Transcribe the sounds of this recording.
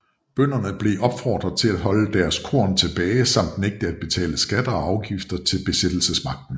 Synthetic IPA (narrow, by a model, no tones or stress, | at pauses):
b̥øn̰ɐnəb̥le̝ʔɒ̽b̥fɒ̰ːd̥ʁɐðˠt͡sʰe̝læd̥ɦɒ̽ləd̥æɐskʰo̝ɐnt͡sʰe̝b̥ɛːɪsɑ̈m̰d̥neɡ̥̚d̥əæd̥̚b̥e̝t͡sʰɛ̰ːləsɡ̥æd̥ɐɒ̽ɑ̈ʊɡ̥ifd̥ɐt͡sʰe̝lb̥e̝sed̥l̩səsmɑ̈ɡ̥̚d̥n̩